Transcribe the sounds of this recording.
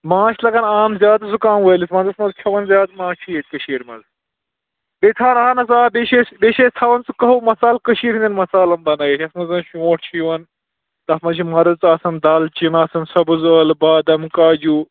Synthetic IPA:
mãːʃlɐɡɐnaːmzʲjaːd̪ɐsukaːmʋɐːlismɐ̃nzɐsmɐzkʲʰɐʋɐnzʲjaːd̪mãːt͡ʃʰikəʃiːɾmɐ̰z | bet̪ʰaːnaːnɐzaːbeʃebeːʃeːsʰɐʋɐnt͡sɨkɐɦumɐsaːlkəʃiːɾɦinʲinmɐsaːlɐmbɐnɐjet͡ʃʰɐsmɐzɐnʃõːʈ̚ʰt͡ʃʰiʋɐn | t̪ɐfmɐʃ̬ʰimɐɾɨt͡saːsɐnd̪ɐlt͡ʃinaːsɐnsɐbɨzəːlbaːd̪ɐmkaːd͡ʒuː

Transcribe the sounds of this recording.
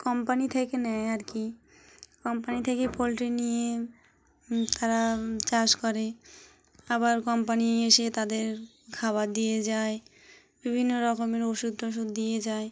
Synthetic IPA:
kɔmpanit̪ʰekenɛjaɾki | kɔmpanit̪ʰekepolʈɾinije | t̪ʰaɾat͡ɕaʃkɔɾe | abaɾkɔmpanieʃet̪ad̪eɾ | ɡʰʱaβad̪ijed͡ʑae | bibʱinːoɾɔkomeɾoʃud̪ʱːoʃ̬ud̪ːijed͡ʑae

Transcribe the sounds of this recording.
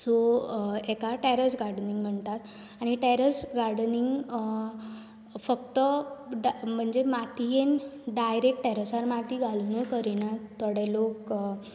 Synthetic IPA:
so | ekaʈɛɾəsɡaɾɽəniŋɡm̤əɳt̪at̪ | aɽ̃iʈɛɾəsɡaɾɽniŋɡ | fək̚t̪ə | m̤əɳd͡ʑemat̪ijenɖajɾek̚ʈʈɛɾəsaɾmat̪iɡalunəjkəɾinat̪ɔɽelok

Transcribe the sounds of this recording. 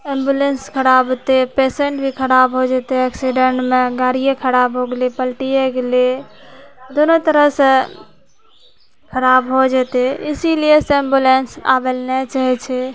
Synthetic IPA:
embjulenskʰəɾabɦot̪epeseɳʈbʱikʰəɾabɦod͡ʒet̪eɛksiɖeɳʈmeɡaɾijekʰəɾabɦoɡelipəlʈieɡele | d̪onot̪əɾəɦsə̃ | kʰəɾabɦod͡ʒet̪eɪsilieseembulensa̰belnet͡ʃaɦɛt͡ʃʰɛ

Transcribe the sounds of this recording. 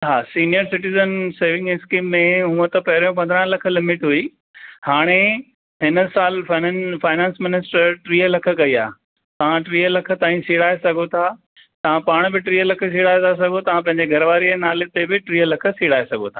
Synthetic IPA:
ɦaːsiːnijəɾsɪʈizənseːʋɪ̃ŋɡɪskiːmːẽɦũə̃t̪ɐpɐɦɪɾõp̬ɐ̃nd̪əɾə̃nlɐkʰə̆lɪmɪʈɦui | haːɽ̃e | ɦɪnə̆saːlfannfaːɪnãːnsmɪnɪsʈəɾʈɾiːəlɐkʰə̆kɐiaː | t̪ɐʋ̤ãʈɾiːəlɐkʰə̆t̪aːĩsiːɽaːesɐɡʱot̪ʰaː | t̪ɐʋ̤ãpaːɽ̃bɪʈɾiːəlɐkʰə̆s̬iːɽaːet̪as̬ɐɡʱot̪ɐʋ̤ãpɐ̃ɦɪ̃ɲd͡ʑeɡʱɐɾəʋaːɾienaːlet̪ebɪʈɾiːəlɐkʰə̆siːɽaːesɐɡʱot̪ʰaː

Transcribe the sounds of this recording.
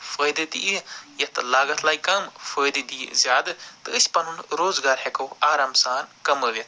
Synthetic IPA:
fəːjd̪ɨd̪iijɐt̪ɨlaːɡɐt̪ʰlaːjkɐmfəːjd̪ɨd̪ḭzʲjaːd̪ɨt̪ɨɨsʲpɐnunɾoːzɡaːɾhekɐwaːɾaːmsaːnkɐməːʋjɐt̪ʰ

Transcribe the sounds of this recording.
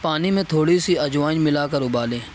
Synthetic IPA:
paːnimẽt̪ʰoːɽisiɐd͡ʒʋaːnmɪlaːkəɾʊbaːlẽː

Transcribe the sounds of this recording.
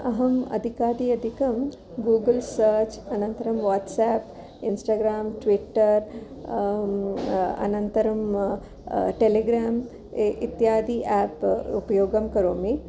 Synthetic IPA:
ɐɦɐmɐ̰d̪ʱikaːd̪iːɐd̪ʱikɐm | ɡuːɡɐlsɐːɾt͡ʃɐnɐnt̪ɐɾɐmʋaːʈsaːp | insʈaːɡɾaːmʈʋiʈːɐɾ | ɐ̰nɐnt̪ɐɾɐm | ʈeleɡɾaːm | ʔit̪jaːd̪iʔaːpupɐjoːɡɐmkɐɾoːmi

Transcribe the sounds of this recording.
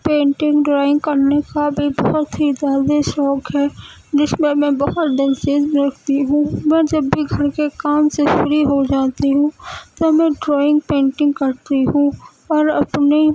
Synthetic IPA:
pẽːɳʈɪ̃ŋɡɖɾaːɪ̃ŋɡkəɾnekabʱibəɦʊt̪ɦid̪aːd̪eʃɔːkɦɛː | d͡ʒɪsmẽmẽbɐɦʊt̪ɖɛnseːzmɾəkʰt̪iɦũːmɛ̃ːd͡ʒəbːʱiɡʱɐɾkekaːmsefɾiɦod͡ʒaːt̪iɦũt̪omẽɖɾɔːɪ̃ŋɡ̚pẽːɳʈɪ̃ŋɡkəɾt̪iɦũ | ɔːɾɐpne

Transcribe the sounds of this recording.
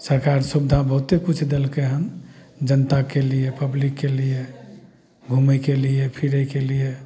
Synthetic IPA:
səɾkaɾsubd̪ʱabəɦut̪ekut͡ʃʰd̪elkeɦəm | d͡ʒənt̪akeliepəblikːelije | ɡʱumɛkeliepʰiɾəkelije

